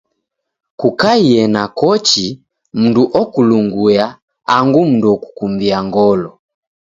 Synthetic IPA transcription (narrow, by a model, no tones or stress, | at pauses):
kukaiɛnakɔt͡ʃi | m̩nduʔɔkuluŋɡuja | aŋɡum̩nduɔku̥kumbiaŋɡɔlɔ